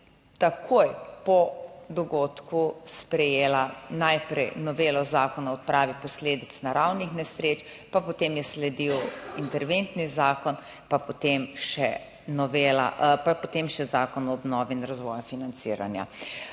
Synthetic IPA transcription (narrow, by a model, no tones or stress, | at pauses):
t̪akʰojpɔd̪ɔɡoːt̪kuspɾɛjeːlanajpɾɛ̰jnɔʋeːlɔzaːkɔnaɔt̪̚pɾaːʋipɔsleːd̪it̪snaɾawnixnɛsɾeːt͡ʃ | papɔt̪emjɛslɛd̪iwint̪ɛɾʋent̪nizaːkɔn | papɔt̪emʃɛ | nɔʋeːla̰papɔt̪emʃɛzaːkɔnɔɔbnɔːʋiinɾazʋɔːjafinant̪sḭːɾa̰nja̰